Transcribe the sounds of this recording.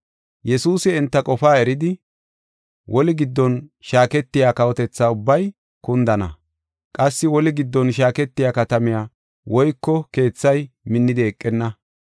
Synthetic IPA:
jɛsuːsɪːnt̪ːɐkʼɔfaːɛɾɪd̪ɪ | wʔɔlɪɡɪd̪ːɔnʃaːkɛt̪ːɪjaːkɐwɔt̪ɛt͡sːaːʊbːɐj | kʊnd̪ɐnɐ̰ | kʼɐsːɪwɔlɪɡɪd̪ːɔnʃaːkɛt̪ːɪjaːkɐt̪ɐmɪjaː | wɔjkːɔke̞ːt͡sːɐjmɪnːɪd̪ɪɛkʼːɛnːɐ

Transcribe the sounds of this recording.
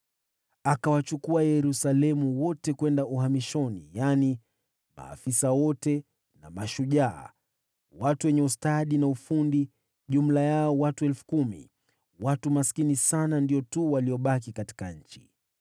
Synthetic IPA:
akawat͡ʃukuajɛɾusalɛmuwɔtɛkwɛndaʔuhamiʃɔnḭjani | ma̰ːfisawɔtɛ | na̰maʃuʄa̰ː | watuwɛɲɛustaɗinaufundi | ʄum̩lajaɔwatuɛlfu̥kumḭ | watumaskinisanandiɔtuwaliɔɓak̬ikati̥kaɲ̩t͡ʃi̥

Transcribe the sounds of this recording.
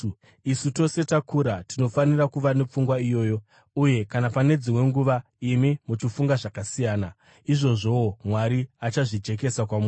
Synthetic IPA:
isuto̞se̞takuɾatino̞fanirakuʋane̞p͡fuŋɡwaijo̞ːjo̞ | uje̞kanapane̞d͡zimwe̞ŋɡuʋa | imimut͡ʃifuŋɡaʐakasijaːna | iʐo̞ʐo̞omwaɾiat͡ʃaʐid͡ʒe̞k̬e̞sakwamuː

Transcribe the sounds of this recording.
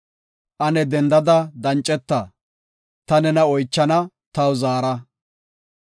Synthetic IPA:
ʔɐnɛd̪ɛnd̪ɐd̪ɐd̪ɐnt͡ʃʼːɛt̪ːɐ | t̪ɐnɛnɐɔjt͡ʃːɐnɐ | t̪ɐwzaːɾɐ

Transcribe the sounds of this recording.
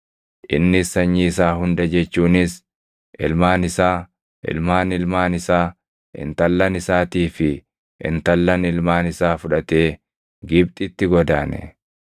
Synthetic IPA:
ʔɪ̰nːɪsɐɲːiɪs̬aːɦʊnd̪ɐd͡ʒɛt͡ʃːuːnɪs | ʔɪ̰lmaːnɪsaː | ʔɪ̰lmaːnɪlmaːnɪsaː | ʔɪ̰nt̪ɐlːɐnɪsaːt̪iːfɪ | ʔɪ̰nt̪ɐlːɐnɪlmaːnɪsaːfʊᶑɐt̪e̞ː | ɡɪb̚t̪ʼɪt̪ːɪɡɔd̪aːnɛ̰

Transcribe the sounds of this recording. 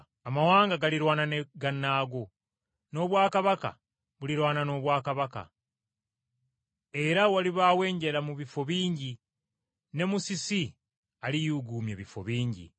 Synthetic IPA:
amawaːŋɡaɡaliɾwaːnaneɡanːaːɡo | no̞βwaːkaβaka̰ | βuliɾwaːnano̞ːβwaːkaβaka̰ | e̞ɾawaliβawe̞ːɲɟe̞lamuβifo̞βiːɲɟi | ne̞musisi | alijuɡuːmjeβifo̞̰βiːɲɟḭ

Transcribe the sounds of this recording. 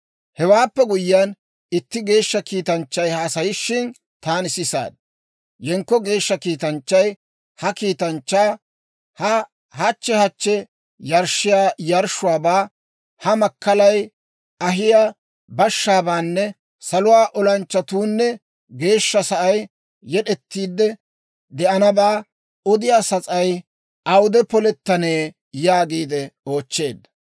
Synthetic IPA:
hɛwaːpːɛɡʊjːaːn | ɪt̪ːɪɡe̞ːʃːɐkiːt̪ɐnt͡ʃːɐjhɐsɐjɪʃːɪn | t̪aːnɪsɪsa̰ːd̪̚ | jɛŋkːɔɡe̞ːʃːɐkiːt̪ɐnt͡ʃːɐj | hɐkiːt̪ɐnt͡ʃːaː | hɐ | hɐt͡ʃːɛhɐt͡ʃːɛ | jɐɾʃɪjaːjɐɾʃʊwaːbaː | hɐmɐkːɐlɐj | ɐɦɪja | bɐʃːaːbaːnːɛ | sɐlʊwaːʔɔlɐnt͡ʃːɐt̪uːnːɛ | ɡe̞ːʃːɐsɐʔɐjː | ɛɗɛt̪ːiːd̪ːɛ | d̪ɛʔɐnɐbaː | ɔd̪ɪjaːsɐt͡sʼɐj | ʔɐwd̪ɛpɔlɛt̪ːɐneː | jaːɡiːd̪ɛo̞ːt͡ʃːe̞ːd̪ːɐ̥

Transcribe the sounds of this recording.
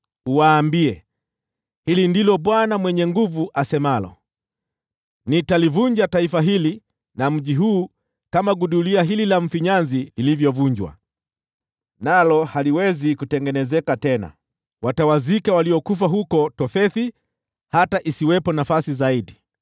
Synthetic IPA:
uwaːmbiɛ | hilindilɔɓwanamwɛɲɛŋɡuvuʔasɛmalɔ̰ | nitalivuɲd͡ʒataifaɦili | nam̩ʄiɦuː | kamaɡuɗuliaɦililaɱ̩fiɲanzililivjɔvuɲd͡ʒwa̰ | nalɔhaliwɛzikutɛŋɡɛnɛzɛkatɛna̰ | watawazikawaliɔkuf̬aɦukɔtɔfɛθi | hataʔisiwɛpɔnafasizaiɗi

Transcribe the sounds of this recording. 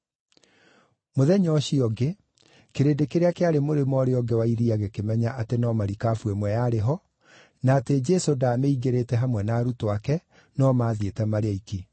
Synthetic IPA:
moðɛɲɔɕiɔɡe | keɾedekeɾeakeaɾemoɾemɔɾeɔɡewaiɾiaɣekemɛɲaʔatenɔmaɾikaːfwemwɛjaɾeɦɔ | naːted͡ʒɛsodaːmeiɣeɾetɛɦamwɛnaːɾutoakɛ | nɔmaːðietɛmaɾeaiki

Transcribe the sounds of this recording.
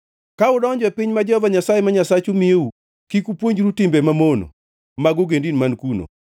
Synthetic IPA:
kaʊdɔɲd͡ʒwɛpɪɲmad͡ʒɔvaɲasajemaɲasat͡ʃumieu | kikupwoɲd͡ʒɾutɪmbɛmamono̰ | maɡʊɡendinmankuno̰

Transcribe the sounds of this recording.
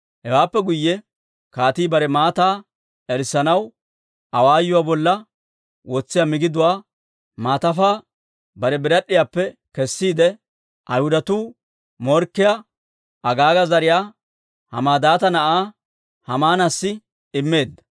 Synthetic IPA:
hɛwaːpːɛɡʊjːɛ | kaːt̪iːbɐɾɛmaːt̪aː | ɛɾsɐnɐw | ʔɐwaːjːʊwaːbɔlːɐ | wɔt͡sːɪjamɪɡɪd̪ʊwaː | maːt̪ɐfaː | bɐɾɛbɪɾɐɗːɪjaːpːɛkɛsːiːd̪ɛ | ʔɐjhʊd̪ɐt̪uː | mɔɾkːɪja | ʔɐɡaːɡɐzɐɾɪjaː | hɐ̰maːd̪aːt̪ɐnɐʔaː | hɐmaːnasːɪ | ɪmːe̞ːd̪ːɐ̥

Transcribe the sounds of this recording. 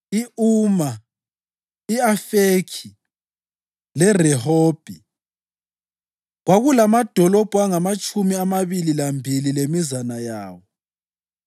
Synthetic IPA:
iuːma | iafekʰi | lɛrɛhoːb̥ʱi | ɣwaɣulamad̥ʱɔlɔb̥ʱuaŋamat͡ʃʼumiamaβililambʱililemizanajaːwɔ

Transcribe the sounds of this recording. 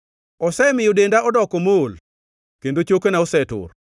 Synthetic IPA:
ɔsɛmɪjɔdendaʔɔdɔkɔmol | kendot͡ʃokonaɔsɛtʊ̰r

